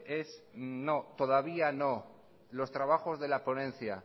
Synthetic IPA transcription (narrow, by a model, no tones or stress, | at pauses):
e̞sno̞t̪o̞ðaβiano̞ | lo̞st̪ɾaβ̞axo̞zðe̞laponẽ̞nθja̰